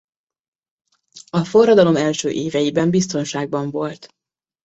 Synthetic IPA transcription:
ɒfo̞rːɒd̪ɒlo̞mɛlʃøːʔeːvɛjibɛmbist̪o̞nʃaːɡ̚bɒɱvo̞lt̪

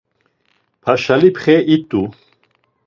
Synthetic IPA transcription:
pʰaʃalipʰχɛʔit̪ʼu

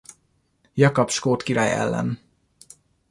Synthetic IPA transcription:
jɒkɒpʃkoːt̪kiɾaːjɛ̰lːɛ̰n

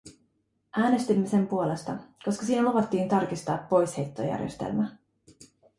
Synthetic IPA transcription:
ʔæːne̞st̪imːe̞se̞mpuo̞le̞st̪ɑko̞skɑsiːnæluʋɑt̪ːiːnt̪ɑrkist̪ɑːpːo̞jshe̞jt̪ːo̞̰jæ̰rjest̪e̞̰lmæ

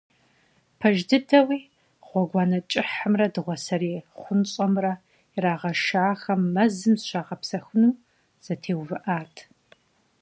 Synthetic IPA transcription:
pʰɐʒdɨdɐwiː | ʁ̥ʷɔɡʷɑːnɐt͡ʃʼɪħɨmrɐdɨʁʷɔsɐɾeːχʷʊnɕʼɐmrɐ | iraːʁɐʃaːxɐmːɐzɨmzʃaːʁɐpsɐxʷʊnuː | z̥ɐtʰeːwvɨʔaːtʰ

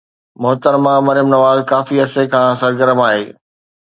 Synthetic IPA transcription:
mʊɦt̪əɾmãmɐɾɪjəmnɐʋaːzkaːfiɐsekʰãːsɐɾɡəɾəmaːɦeː

